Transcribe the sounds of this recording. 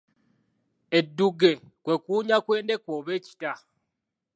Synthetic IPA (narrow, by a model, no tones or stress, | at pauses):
edːuɡe̞ | kwe̞kuːɲakwe̞ːnde̞kwoːβe̞ːci̥ta